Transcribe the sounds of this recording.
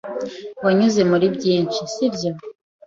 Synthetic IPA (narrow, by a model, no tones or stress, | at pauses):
waɲuze̞muɾibɟiːnt͡ʃisibjo̞